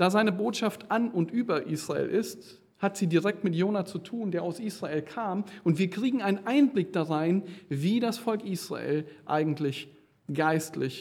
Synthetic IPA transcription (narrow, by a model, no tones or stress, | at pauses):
d̥aːzaɪnəboːtʃaftʔanʊntʔyːbɐʔiːsʁ̥aḛːlʔɪst | hatz̥iːdiːʁɛk̚tmɪtjoːnat͡sutʰuːndeːɐʔaʊsʔiːsʁ̥aeːlkʰaːmʔʊntv̥iːɐkʁ̥iːɡŋ̩aɪnənʔaɪnblɪk̚d̥aʁaɪnviːdasfɔlkʔiːsʁ̥a̰ʔḛːlʔa̰ɪɡŋ̩tlɪç | ɡ̥aɪstlɪç